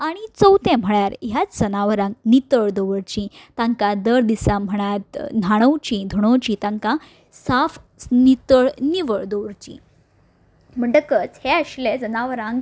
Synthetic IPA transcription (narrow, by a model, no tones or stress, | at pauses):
aɽ̃it͡səwt̪ẽm̤əɭjaɾɦjat͡sd͡zənaʋəɾãŋɡnit̪əɭd̪oʋəɽt͡ɕĩt̪ãŋkãd̪əɾd̪isam̤əɽ̃at̪nʱaɽ̃əwt͡ɕĩd̪ʱoɽ̃owt͡ɕĩt̪ãŋka | saf | nit̪əɭniʋəɭd̪oʋəɾt͡ɕḭ̃ | m̤əɳɖəkət͡sheəɕled͡zənaʋəɾãŋɡ